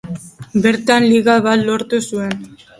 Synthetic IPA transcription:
be̞ɾt̪anliɣaβat̪lo̞ɾt̪usue̞n

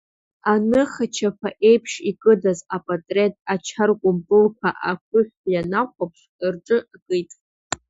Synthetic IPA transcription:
anɨχat͡ʃʰapʰaʔe̞jpʰʂikʼɨdazapʼatʼretʼat͡ʃʰarkʷʼʊmpʼɨlkʷʰaʔakʷʰʊχʲʷᶣjanaqʷapʰʂ | rʈ͡ʂʼɨkʼɨjtʼ

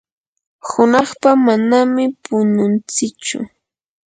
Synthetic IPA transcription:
hʊnɑχpamanamɪpʊnʊnt͡sɪt͡ʃʊ̰

